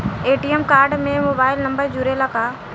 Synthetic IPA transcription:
eːʈiəmkaːɾɖmẽmoːbaːɪlnɐ̃mbəɾd͡ʒuɾelakaː

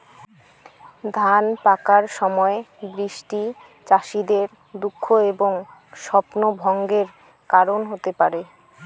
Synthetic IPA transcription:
d̪ʱanpakaɾʃɔmɔebɾiʃʈi | t͡ɕaʃid̪eɾ | d̪ukʰːoeboŋ | ʃɔpnobʱɔŋɡeɾ | kaɾonɦot̪epaɾe

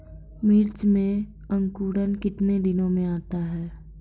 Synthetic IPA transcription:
miːɾt͡ʃmẽ | ə̃ŋkuːɽənkɪt̪ned̪ɪnõmẽaːt̪aɦɛː

